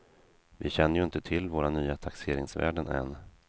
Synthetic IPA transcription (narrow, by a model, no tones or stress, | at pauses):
vɪɕɛnːəɾjɵɪnt̪ət̪ʰɪlːvoːɾanyːat̪ʰakseːɾɪŋsvæ̰ːɖənɛ̰nː